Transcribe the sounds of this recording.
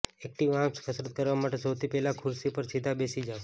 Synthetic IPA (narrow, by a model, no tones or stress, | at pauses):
ek̚ʈiʋãskʰəsɾət̪̚kəɾʋamaʈesəwt̪ʰipɛɦlakʰʊɾsipəɾsid̪ʱabesid͡ʒaʋ